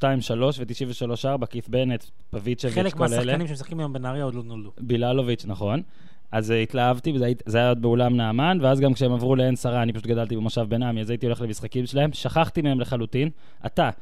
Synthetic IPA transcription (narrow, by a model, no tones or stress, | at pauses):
ʃtaimʃalo̞ʃvet̪iʃiɱveʃalo̞ʃaʁbakifbe̞net̪ | pavit͡ʃevvelekmealsaeleanimʃemsḁχkimajo̞mbenaʁjaod̪lod̪nold̪ubilalovit͡ʃnaχo̞n | azit̪laavt̪ivaizajaod̪̚beolamnaːmanveazɡamkʃeemavʁuleensaʁaːnipaʃut̪̚ɡadalt̪ibemoʃavbenamiazait̪io̞le̞χle̞misχakimʃelae̞mʃaχaχt̪imehemleχalutin | ʔa̰t̪a